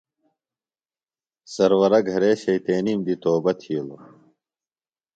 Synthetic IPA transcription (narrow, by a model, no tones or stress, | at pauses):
sɐɾwɐɾɐɡʱɐɾeːɕɐjt̪eːnimd̪it̪oːbɐt̪ʰiːlo